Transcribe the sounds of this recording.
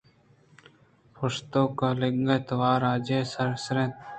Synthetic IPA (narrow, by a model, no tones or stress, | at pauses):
pʰʊst̪oːkalɪŋɡət̪waːɾaːd͡ʒeːsəɾsɾẽːt̪